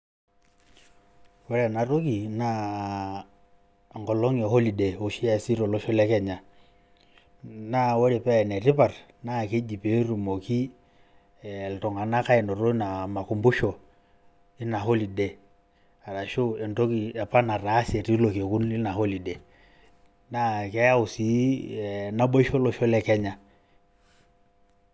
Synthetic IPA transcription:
wɛ˦ɾɛ˨na˨ɾo˦ki˨na˦˨ | ŋɡɔ˨lo˦ŋe˨ho˦li˨de˨o˨˦ʃi˦a˨si˦ɾo˨lɔ˦ʃo˦lɛ˦kɛ˦˨ɲa˨ | na˦˨wo˦ɾe˨pɛ˦˨ne˨ri˦pa˨r | na˦˨ke˦d͡ʒi˨pe˨˦ɾu˨mo˨ki˦˨ | ltɔ˨ŋa˨na˦ka˦ɛ˨nɔ˨ɾo˦na˨ma˨ku˨mbu˦ʃɔ˨ | i˦na˨ho˦li˨dɛ˨ | a˨ɾa˨ʃo˦ɛ˨nto˦ki˨ɛ˨pa˦na˨ra˨˦se˨ɾi˦lo˨ke˨ku˦ni˦na˨ho˦li˨dɛ˨ | na˦kɛ˦ja˦u˨si˨˦˨ | na˦ɓo˦i˦ʃɔ˦lɔ˦ʃɔ˦lɛ˦kɛ˦ɲa˨

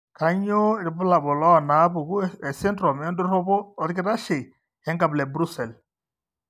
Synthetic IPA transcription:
ka˨ɲo˦˨ɾi˨bʊ˦la˨bɔ˨lɔ˦˨na˨˦bu˨ku˦ɛ˨sɛ˦ntɾɔ˨mɛ˦ndu˦ɾɔ˦bɔ˦ɔ˨ɾkɪ˦ɾa˦ʃe˨ | ja˦ŋɡa˨blɛ˨bɾu˦sɛ˨l

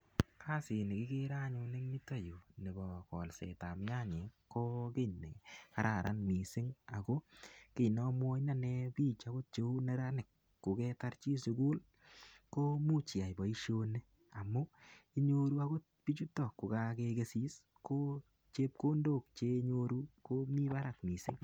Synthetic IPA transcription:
kʰa˦sɪ˨nɪ˨kɪ˦ke˦ɾa˦ɲʊ˧nɪ˦ŋni˦ta˦˨ju˨ne˨bɔ˨kɔ˨lsɛ̰˨ta˨mɲa˦ɲe˨ko˦kɪ˦ne˨ka˦ɾa˨ɾʔa̰˦nmi˨sɪ˦ŋa˨ko˦kɪ˨nɔ˦mwo˦na˦nɛbiː˦t͡ʃa˦ɡo˦t̚t͡ʃe˦u˦ne˦ɾa˦nɪ˨kː | ʊ˨kɛ˦ta˦ɾt͡ʃi˦sʊ˧ɡu˦l | ko˦mu˦t͡ʃɪ˨a˨jbɔ˨i˦ʃo˧ne˦ | a˨mʊ˦i˦ɲoɾu˦a˦ɡo˦t̚pi˦t͡ʃu˦tɔ˨kːo˨ka˦keke˧si˦s | ko˦ | t͡ʃe˦p̚ko˦ndo˦˨k̚t͡ʃe˦ɲoɾu˦ko˦mi˦ba˦ɾa˨kmi˨sɪ˦ŋ

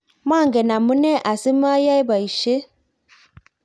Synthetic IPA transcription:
ma˦˨ŋ˨ɡɛ˨na˨mu˦nɛ˦ʔa˨si˦m˦a˦ja˦jba˨i˨ʃe˦

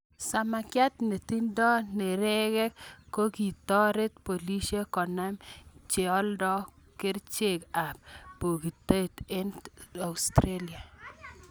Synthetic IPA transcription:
sa˨ma˨kja˦t̪ne˨ti˦ndɔ˦ne˨ɾɛ˦kɛ˦kːo˦ki˨tɔ˦ɾɪ˦t̪̚po˨li˦ʃe˦kɔ˨na˦mt͡ʃe˨ɔ˦ldɔ˦ | kɪ˦ɾt͡ʃe˨ka˨p̚pːo˨ki˨ta˦t̪e˦na˨wstɾelja˨

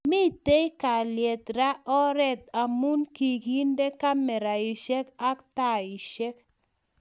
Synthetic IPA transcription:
mi˦te˦jka˨ljɛ˨t̪ɾa˦ɔ˦ɾɛ˦t̪̚a˨mu˦nki˨ki˦nde˦ka˦mɛ˨ɾa˨i˨ʃe˦ka˦kta˦ɪ˨ʃɛ˦k

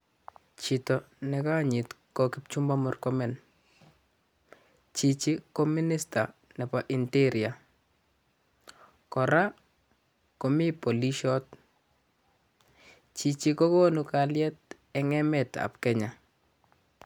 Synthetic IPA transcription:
t͡ʃi˨tɔ˨nɛka˦ɲi˨t | ko˨ki˦p̚t͡ʃu˦mba˦mɔ˦rkɔ˦mɛ˨n | t͡ʃi˨t͡ʃi˦ko˦mi˦ni˦sta˨nɛ˨pa˦ʔi˨nti˦ɾja˨ | kɔ˨ɾa˦ | ko˨mi˦po˨li˦ʃɔ˦t̚ | t͡ʃi˨t͡ʃi˦ko˦ko˦nukaljɛ˦t̚ | ɛ˨ŋɛ˦mɛ˨ta̰˨p̚kɛ˦ɲa˨

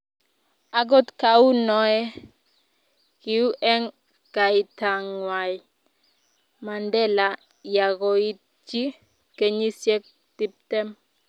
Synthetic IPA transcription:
a˨ɡɔ˦tka˨u˦nɔ˦ɛ˦ | ki˨u˦ʔɛ˦ŋ | ka˨i˨ta˨ŋwa˨j | ma˨ndɛ˦la˨ | ja˨ɣɔ˨i˦t̚ | d͡ʒi˦ | ke˦ɲi˦sjɛ˦k̚ | ti˦p̚tɛ˦m

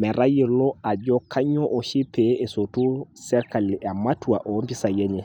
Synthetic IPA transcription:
mɛ˨ɾa˦ji˨lɔ˦a˨d͡ʒɔ˦kʰa˦ɲɔ˦ʔo˨ʃi˦pʰee˨sotu˦sɛ˦ɾkali˨a˨ma˦tuaʔo˦mpi˦sa˨jɛ˦ɲɛ˨

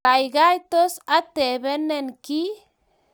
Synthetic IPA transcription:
a˨jɡa˦jt̪o˦sa˦t̪e˨be˦ne˦nki˦

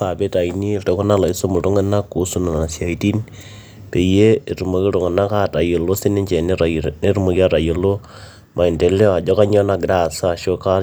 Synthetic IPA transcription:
a˨pe˦ta˨ini˦to˨ko˦na˦la˨i˦so˦mu˨ɾo˦ŋe˦na˦ku˨˦su˦na˨na˨na˨sja˨iti˦n | pe˨jee˨ɾu˨mo˨ke˦ɾo˨ŋe˨na˦ka˦ta˨jo˨lo˦si˦ne˦ɲt͡ʃe˨nne˦ɾu˦mo˨kja˦ta˨jo˨lo˦ | ma˨i˨nde˨le˦a˨d͡ʒo˦ka˦ɲo˦na˦ɡɾasaʃo˦ka˦

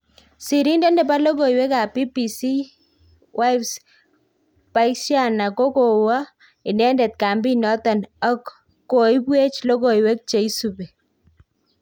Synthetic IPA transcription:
si˨ɾi˦ndɛ˦ndɛ˨pa˦lo˦ko˨i˨wɛ˦ka˨pi˦pi˨si˦ | wʔa˦jbs | pa˦ɪksja˦˨na˨ko˦ko˨wa˦ | ɪ˨nɛ˦ndɛ˨t̪̚ka˨mbi˦nɔ˦t̪ɔ˨nɔ˦kː | o˨i˦bwe˦t͡ʃlo˦ko˨i˨we˦k̚t͡ʃe˨i˦supɛ˨

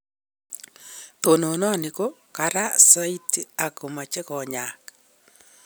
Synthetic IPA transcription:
t̪o˨no˨nɔ˦a˨ni˨ko˦ka˨ɾa˦sa˦i˦ti˦a˨ko˨ma˨t͡ʃe˦kɔ˨ɲa˨k

